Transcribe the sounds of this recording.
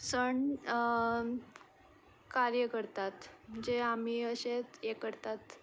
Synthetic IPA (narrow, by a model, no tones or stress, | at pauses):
səɳ | kaɾjəkəɾt̪at̪m̤əɳd͡zeam̤iəɕet͡sjekəɾt̪at̪